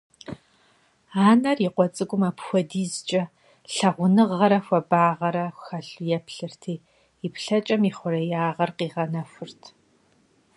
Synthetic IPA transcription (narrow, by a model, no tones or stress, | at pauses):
aːnɐriqʷɔt͡sʼɨɡʷʼʊmapxʷɔdiːzt͡ʃʼɐ | ɬɐʁʷʊnɨʁːɐɾɐxʷɐbaːʁɐɾɐxɐɬjɛpɬɨrtʰiː | ipɬɐt͡ʃʼɐmiχʷʊɾɐjaːʁɐrqiːʁɐnɐfʷʊrtʰ